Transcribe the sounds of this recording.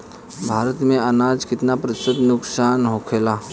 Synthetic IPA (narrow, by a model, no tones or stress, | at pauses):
bʱaɾət̪mẽənad͡zkɪt̪napɾəsəd̪nʊksanɦokʰela